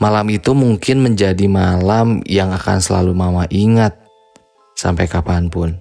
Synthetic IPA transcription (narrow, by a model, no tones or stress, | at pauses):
malamit̪umuŋkɪnməɲd͡ʒadimalamjaŋaka̰nsəla̰lumamaʔiŋat̪̚ | sa̰mpajkapanpʊn